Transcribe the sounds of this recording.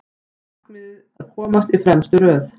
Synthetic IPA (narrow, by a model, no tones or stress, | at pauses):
knɪð | kʰɔːmast̪ifɾɛmst̪ʏɾœːθ